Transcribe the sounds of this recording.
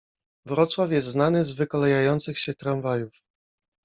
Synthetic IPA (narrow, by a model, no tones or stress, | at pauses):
vɾɔt̪swafʲjɛst̪znanɘzvɘkɔlɛjajɔnt̪sɘxɕɛt̪ɾanvajuf